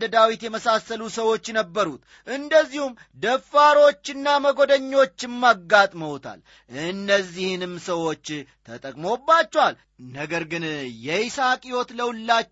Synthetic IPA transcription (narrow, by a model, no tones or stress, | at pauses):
d̪əd̪awit̪jɛməsasəlusəwo̞t͡ʃːnəbːəɾut̪ | ʔɨnd̪əzːihum | d̪əfaɾo̞t͡ʃːɪnːaməɡo̞d̪əɲːo̞t͡ʃːɪmːaɡːat̪ʼməwt̪ʰa̰l | ʔɨnːəzːihnɨmsəwo̞t͡ʃːt̪ʰət̪ʼəkʼmo̞bːat͡ʃːɛwal | nəɡəɾɡɨnjɛisakʼiwot̪ləwlːa